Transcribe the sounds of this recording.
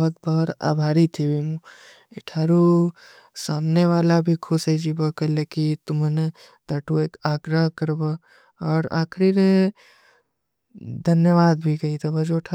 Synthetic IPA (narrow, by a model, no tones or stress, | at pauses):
ɐt̪bɔɾa̰ːbʱaːɾit̪ʰibʱimũ | ɪʈʰaːɾu | saːmneʋaːlabʱikʰʊseid͡ʒibəkəlekit̪ʊməne | t̪ɐʈʰueːkaːɡɾəɦkɐɾba | ɔːɾa̰ːkʰɾiɾe | d̪ʱɐnjəʋaːd̪bʱikɐit̪ʰɐbɐd͡ʒoʈʰa